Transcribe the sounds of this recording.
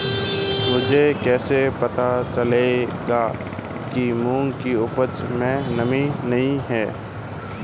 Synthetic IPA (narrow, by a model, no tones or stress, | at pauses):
mʊd͡ʒʱekɛːsepɐt̪at͡ʃəleɡaː | kimũːŋkiʊpət͡ʃmẽnəminɐɦĩɦɛː